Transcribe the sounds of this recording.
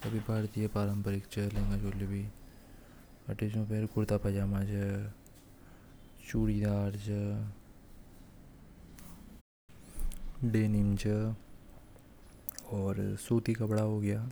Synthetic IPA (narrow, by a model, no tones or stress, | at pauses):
ɐbʱibʱaːɾt̪ijapaːɾəmpəɾɪkt͡ʃəlẽːŋɡad͡ʒoːlebi | ɐʈed͡ʒõpeɾkʊɾt̪apɐd͡ʒaːmad͡ʒə | t͡ʃuːɽid̪aːɾd͡ʒə | ɖeːnɪmd͡ʒə | ɔːɾsoːt̪ikabɐɽaɦoɡɐjaː